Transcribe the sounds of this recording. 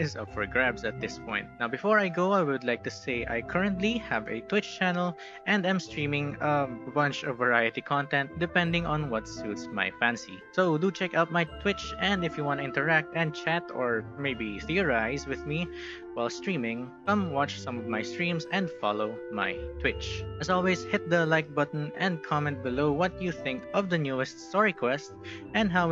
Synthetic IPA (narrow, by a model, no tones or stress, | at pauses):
ɪzʌpfɔ˞ɡɹæbsɐt̪̚d̪ɪspʰɔ̰̃ɪ̃nt̪̚nawbɪfɔɹajɡoʊajwʊd̪lajk̚t̪ʊseɪʔa̰jkʰəɹə̃nt̪lihævɛ̰t̪wɪt͡ʃt͡ʃænəlˠ | ʔɛ̃nd̪ãj̃mst̪ɹĩmɪ̃ŋəbʌ̃nt͡ʃɔvːɛɹajɨt̪ikʰɔ̃nt̪ɛ̃nt̪̚d̪ɨpɛ̃nd̪ɪ̃ŋɔ̃nwʌt̪sut̪sma̰jfæ̃nsḭ | soʊd̪ut͡ʃɛkaʊt̪̚majt̪ʰwɪt͡ʃɛ̃nd̪ɪfjuwɑ̃nt̪uɪ̃nt̪ɛɹæk̚t̪ɛ̃nd̪̚t͡ʃæt̪ɔɹmeɪbiθiɔɹajzwɪðmi | waɪlst̪ɹĩmɪ̃ŋkʌ̃mwɑt͡ʃsʌ̃mɔvmajst̪ɹĩmsɛ̃nd̪fɑ̰loʊ | ma̰jt̪ʰwɪtt͡ʃɛzɔlˠwɛzhɪt̪̚d̪əlaɪk̚bʌt̪n̩ɛ̃nd̪̚kʰɑmɛ̃nt̪̚bɪloʊwʌt̪juθɪ̃ŋkɔvd̪ɐnjuɛst̪st̪ɔɹikʰwɛst̪ | ʔɛ̃ndɦaw